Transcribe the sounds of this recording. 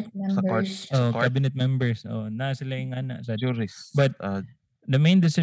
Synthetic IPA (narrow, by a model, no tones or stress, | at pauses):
ʔoʔokabɪnɛt̪̚mɛmbɛɹsʔo̰ʔnasɪlajɪŋaːnɐ̰ʔsɐbɐt̪̚ | d̪ɐmejnd̪ɪsɪ